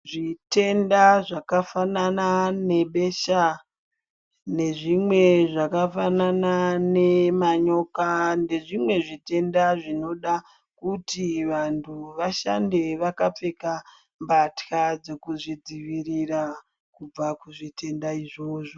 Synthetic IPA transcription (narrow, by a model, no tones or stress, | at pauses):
ʐite̞ndaʐakafananane̞ɓe̞ʃa | ne̞ʐimwe̞ʐakafananane̞maɲo̞kande̞ʐimwe̞ʐite̞ndaʐino̞ɗa | kutiʋantʰuʋaʃa̰nde̞ʋakap͡fe̞ka | mbatkad͡ze̞kuʐid͡ziʋirira | kub͡vakuʐite̞ndaiʐoːʐo